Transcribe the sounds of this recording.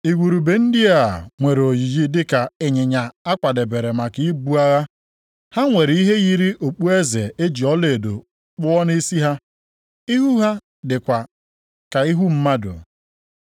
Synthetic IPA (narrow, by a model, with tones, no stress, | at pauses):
i˨ɡʷu˨ɾu˨be˨n̩˦dɪ˦a˨ŋʷe˨ɾo˨ji˨d͡ʒi˦dɪ˦ka˨ɪ˨ɲɪ˨ɲa˨a˦kʷa˨de˨be˨ɾe˨ma˨ki˨˦bu˦a˦ɣa˦ | ha˦ŋʷe˨ɾi˦ɦe˦ɣi˦ɾi˦ʔo˨k͡pu˦e˦ze˨e˦d͡ʒi˨ɔ˦le˨do̰˨ | k͡pʊ˦ɔ˦ni˦si˦ɦa˦ | i˦ɦu˦ɦa˦ | dɪ˨kʷa˨ | ka˨i˦ɦu˦m̩˦ma˦dʊ̰˨